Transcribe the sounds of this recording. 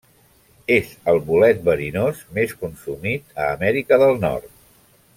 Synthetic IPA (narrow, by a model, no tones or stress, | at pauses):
ezəlˠβulɛt̪̚bəɾinozmeskunsumit̪əːmɛɾikəðəlˠnɔ̰rt̪̚